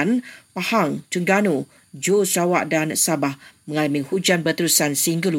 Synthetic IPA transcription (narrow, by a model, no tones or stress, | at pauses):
npahaŋt͡ʃəŋɡano | d͡ʒosawaʔdansabahməŋalamihud͡ʒanbərt̪əɾusansəiŋɡəl